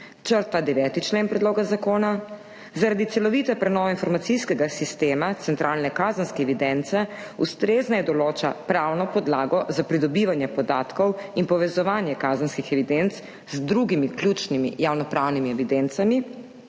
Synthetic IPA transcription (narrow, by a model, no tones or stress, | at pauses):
t͡ʃəɾt̪ad̪ɛʋɛːt̪it͡ʃleːnpɾɛd̪loːɡazakoːna | zaɾad̪it̪sɛlɔʋiːt̪ɛpɾɛnɔːʋɛinfɔɾmat̪siskɛɡasist̪eːmat̪sɛnt̪ɾʔaːlnɛkaːzənskɛɛʋid̪ɛnt̪sɛ | ust̪ɾeːznajɛd̪ɔloːt͡ʃapɾawnɔpɔd̪laːɡɔzapɾid̪ɔbiːʋanjɛpɔd̪aːt̪kɔwinpɔʋɛzɔʋaːnjɛkaːzənskixɛʋid̪ent̪s | zd̪ɾuɡimiklʲjut͡ʃnimḭjawnɔpɾaːwnimiɛʋid̪ent̪sami